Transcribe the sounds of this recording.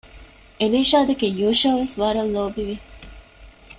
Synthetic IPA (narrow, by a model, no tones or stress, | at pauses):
eliːʃaːd̪ɐkejuːʃaːʋesʋaːɾɐlːoːbiʋi